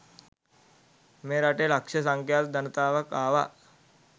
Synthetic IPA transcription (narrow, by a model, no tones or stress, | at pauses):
meːɾaʈelakʂəsaŋkjaːt̪d̪anət̪aːʋakaːʋa